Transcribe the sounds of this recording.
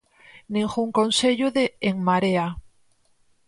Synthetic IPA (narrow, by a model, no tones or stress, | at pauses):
nĩŋxuŋkõnseʎʊðeːŋmaɾea